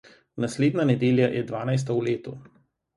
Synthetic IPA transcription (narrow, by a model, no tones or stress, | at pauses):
nasleːd̪nanɛd̪eːljajʔɛd̪ʋaːnajs̬t̪awleːt̪u